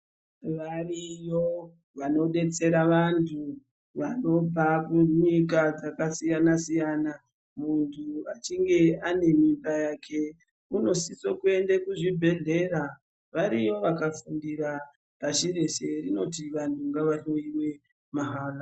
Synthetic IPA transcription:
ʋarijo̞ | ʋano̞ɗe̞t͡se̞ɾaʋantʰu | ʋano̞bʱakuɲik̬ad͡zakasijanasijana | muntʰuat͡ʃiŋɡe̞ane̞mimbajaːkʰe̞ | uno̞sisokue̞ndekuʐibʱe̞ɮe̞ɾa | ʋaɾijo̞ʋakafundira | paʃire̞ʃe̞rino̞tiʋantʰuŋɡaʋaɬo̞iwe̞ | maɦaːra

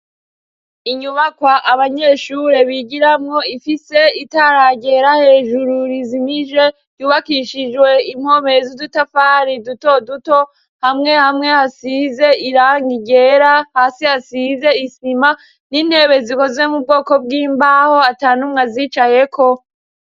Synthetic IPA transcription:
iɲuβakwaʔaβaɲe̞ʃuɾe̞βiɟiɾamŋo̞ifise̞itaɾaɟe̞ɾahe̞ːʒuɾuɾizimiʒe̞ | juːβakiʃid͡ʒwe̞im̥ho̞mezudutafaːɾiduto̞duto̞ | hamŋe̞hamŋe̞hasize̞iɾaːŋɡiɟe̞ːɾahaːsihasize̞isima | nin̥he̞ːβe̞ziko̞zwe̞mub̚ɡo̞ːko̞b̚ɡiːmbaːho̞ataːnumŋaziːt͡ʃajekʰo̞

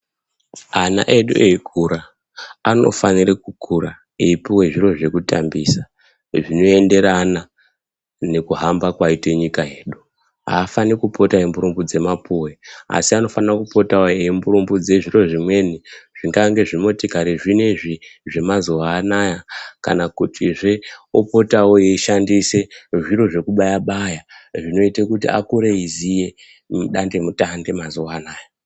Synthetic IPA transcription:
ana̰ʔe̞ɗṵʔeikʰuɾa | ano̞̰fanirekukʰuɾa | eipuwe̞ʐiro̞ʐe̞kutambiːsa | ʐino̞e̞nde̞ɾana | ne̞kuɦambakwaite̞ɲikaɦe̞ːɗu | ɦa̰ːfanikupʰo̞taembuɾumbud͡ze̞mapʰuwe̞a̰siano̞fanarakupo̞taoembuɾumbud͡ze̞ʐiro̞ʐimwe̞niʐ̥iŋɡaŋɡe̞ʐimo̞tikaɾeʐine̞ʐiʐe̞mazowaːnajaka̰nakutʰiʐeopo̞taojeiʃandise̞ʐiɾo̞ʐe̞kuɓajaɓajaʐino̞itekutḭʔa̰kuɾeizije̞ | mɗande̞mutande̞mazoaːnaːja

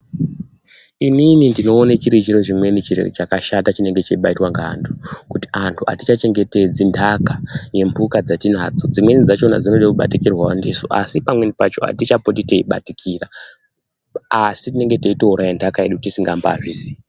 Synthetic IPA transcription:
ininindino̞ːnet͡ʃiɾit͡ʃirot͡ʃimwe̞nit͡ʃḭt͡ʃakaʃatat͡ʃine̞ŋɡe̞t͡ʃeiɓaitwaŋɡantʰu̥kuti̥antʰuʔa̰tit͡ʃat͡ʃe̞ŋɡe̞te̞d͡zindʱakaje̞mbʱukad͡zatinaːd͡zo̞d͡zimwe̞nid͡zat͡ʃo̞na̰d͡zino̞ɗekuɓa̰tikirwawa̰ndiso̰ʔasipamwenipat͡ʃoa̰tit͡ʃapotiteiɓa̰tikʰira | sitine̞ŋɡe̞teito̞uɾajendʱakaeɗukutisiŋɡamba̰ʐizi

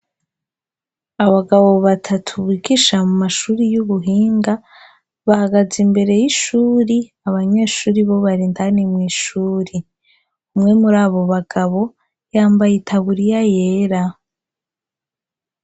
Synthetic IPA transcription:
aβaɡaβo̞βatʰatʰuβwiːɡiʃamumaʃuːɾijuβuɦiːŋɡa | βahaɡazimbe̞ɾe̞jiʃuːɾi | aβaɲeːʃuːɾiβo̞βaɾintanimŋiːʃuːɾi | umŋe̞muɾaːβo̞βaɡ̥aβo̞ | jaːmbajitʰaβuɾijajeːɾa

